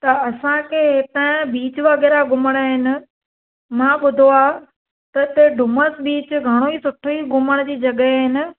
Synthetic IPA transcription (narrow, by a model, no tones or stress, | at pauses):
t̪ɐɐsãkʰeːɦet̪ãɪ̃biːt͡ɕʊʋɐɣɛːɾaɡʱʊməɽ̃aːɦɪnɪ̆ | mãɓʊd̪ʱoa | t̪ɐt̪eɖʱʊməsɓiːt͡ɕʊɡʱɐɽ̃oisʊʈʰoiɡʱʊməɽ̃̆d͡ʑiːd͡ʑɐɠəːɦɪnɪ̆